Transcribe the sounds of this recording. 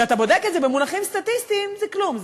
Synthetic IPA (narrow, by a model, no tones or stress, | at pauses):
at̪abo̞d̪ekezebemulaχimst̪at̪ist̪imzeklumz